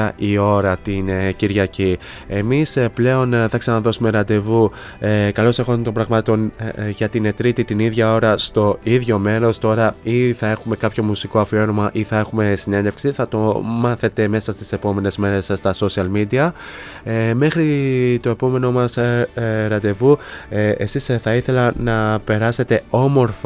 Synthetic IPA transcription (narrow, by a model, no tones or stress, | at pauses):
ɐʔio̞ɾɐt̪inciɾʝɐci | e̞misple̞o̞nθɐksɐnɐðo̞sume̞ɾɐnd̪e̞vu | kɐlo̞se̞xont̪ombɾɐɣmɐt̪o̞nʝɐt̪ine̞t̪ɾit̪it̪iniðʝɐo̞ɾɐst̪o̞iðʝo̞me̞ɾo̞st̪o̞ɾɐiθɐe̞xume̞kɐpço̞musiko̞ɐfio̞ɾomɐʔiθɐe̞xume̞sine̞ne̞fksiθɐt̪o̞mɐθe̞t̪e̞me̞sɐst̪i̥se̞po̞me̞ne̞zme̞ɾe̞sːt̪ɐso̞siɐlmid̪iɐ | me̞xɾit̪o̞e̞po̞me̞no̞mɐs | ɾɐnd̪e̞vuesisθɐiθe̞lɐnɐpe̞ɾɐse̞t̪e̞o̞mo̞ɾf